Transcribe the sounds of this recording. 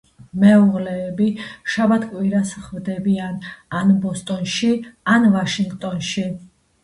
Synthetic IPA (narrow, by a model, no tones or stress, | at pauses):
mɛɔʁlɛːbiʃabat̪ʰkʼwiɾasχvd̪ɛbiananbɔst̪ʼɔnʃianvaʃiŋɡt̪ʼɔnʃi